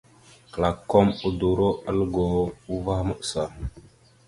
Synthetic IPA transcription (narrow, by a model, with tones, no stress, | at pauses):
kla˨kːo˦mu˦du˨ɾo˦a˦lɡo˨u˦va˦hmə˦ʔsa˨